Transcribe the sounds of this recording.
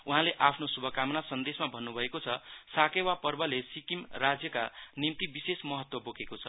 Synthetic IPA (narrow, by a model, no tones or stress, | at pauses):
uɦãleʔapʰnosubʱʌkamʌnasʌnd̪esmabʱʌnːubʱʌekot͡sʰʌsakewapʌrbʌlesikimrad͡zjʌkanimt̪ibisesmʌɦʌt̪wʌbokekot͡sʰʌ